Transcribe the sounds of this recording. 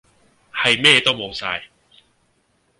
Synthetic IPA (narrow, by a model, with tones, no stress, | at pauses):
ha˨˩jmɛː˥˧t̪o˥˩wmo˨˧wsa̰˧j